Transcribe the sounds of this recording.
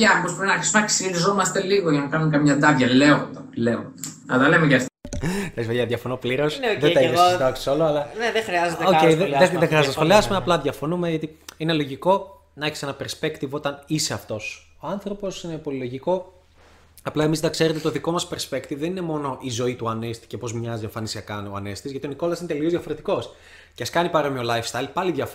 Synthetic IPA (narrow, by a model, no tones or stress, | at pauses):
ɐpospumenɐki̥sonɐksiɾizo̞mɐst̪e̞liɣoʝɐnɐkɐnuŋkɐmɲɐd̪ɐvʝɐleond̪ɐleond̪ɐɐlɐlemeʝɐft̪it̪ɐksmejɐðʝɐfonopliɾo̞snðeɐid̪ɐksi̥soloɐlɐneðexɾiɐzet̪ocejiðeeðexɾiɐzot̪ːsxoliɐsumeɐplɐðʝɐfo̞numeʝɐt̪iinelo̞ʝiko̞ | nɐeçe̥senɐpe̞ɾspe̞kt̪ivo̞t̪ɐnise̞ɐft̪o̞soɐnθɾo̞po̞sinepoliloʝiko̞ | ɐplɐe̞mizðɐkse̞ɾet̪et̪oðiko̞mɐspe̞ɾspekt̪ivðe̞nine̞mo̞no̞ʔizo̞it̪uɐnest̪i̥cepo̞zmɲɐzieɱfɐnisiɐkɐnoɐnest̪izʝɐt̪io̞niko̞lɐsinet̪eliozðjʝɐfo̞ɾet̪iko̞s | ceɐskɐnipɐɾo̞miolɐjfst̪ɐilpɐliðʝɐf